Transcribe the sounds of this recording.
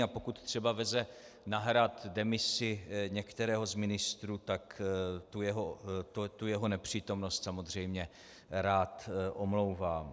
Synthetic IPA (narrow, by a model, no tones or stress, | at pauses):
apo̞kut̪t̪r̝̥ɛbavɛzɛ | naɦɾat̪dɛmɪsɪɲɛkt̪ɛɾɛːɦo̞zmɪnɪst̪ɾuːt̪akt̪ujɛɦot̪ot̪ujɛɦonɛpr̝̥iːt̪o̞mno̞st̪samo̞zr̝ɛjmɲɛ | ɾaːt̪ʔomlo̞wvaːm